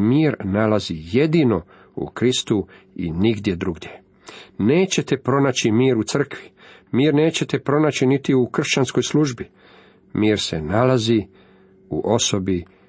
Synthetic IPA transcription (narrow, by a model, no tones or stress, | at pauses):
miːɾnalazije̞d̪ino̞ | ṵkɾist̪uḭniɡd̪je̞d̪ɾuɡd̪je̞ | neːt͡ɕe̞t̪epɾo̞nat͡ɕimiːɾut̪sr̩kʋimiːɾne̞ːt͡ɕe̞t̪e̞pɾo̞nat͡ɕinit̪iukr̩ʃt͡ɕansko̞jslˠuʒbi | miːɾse̞̰nalazi | ṵʔo̞so̞bi